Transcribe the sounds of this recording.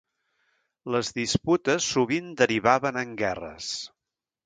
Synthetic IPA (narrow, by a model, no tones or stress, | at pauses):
ləzðisput̪əsːuβind̪əɾiβaβənəŋɡɛrə̰s